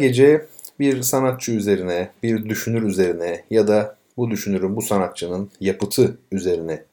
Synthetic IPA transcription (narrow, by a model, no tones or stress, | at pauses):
ɡe̞d͡ʒɛbiɾsanat̪̚t͡ʃʰɯyze̞ɾinɛbiɾd̪yʃynyɾyze̞ɾinɛjad̪a | bud̪yʃynyɾymbusanat̪̚t͡ʃʰɯnɯnjapɯt̪ʰɯyze̞ɾinɛ